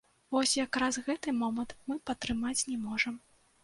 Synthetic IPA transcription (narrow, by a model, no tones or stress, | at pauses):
vɔsʲjakɾasɣɛt̪ɨmɔmɐnt̪mɨpɐt̪ɾɨmat͡sʲnʲɛmɔʐɐm